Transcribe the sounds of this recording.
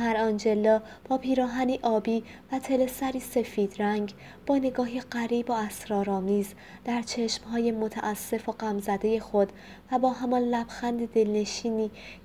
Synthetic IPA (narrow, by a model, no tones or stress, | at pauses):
hæɾɒnd͡ʒe̞lːɒː | b̥ɒːpʰiːɾɒːɦæniːʔɒːbiː | væt̪ʰe̞le̞sæɾiːse̞fiːd̪̥ɾæŋɡ | b̥ɒːne̞ɡɒːɦiɢæɾiːboæsɾɒːɾɒːmiːz | d̪̥æɾt͡ʃʰe̞ʃmhɒːje̞mot̪ʰæ̰ʔæsːe̞foɢæmzæd̪e̞je̞xo̞d̪̥ | væbɒːɦæmɒnlæb̥xænd̪ed̪e̞lne̞ʃiːniː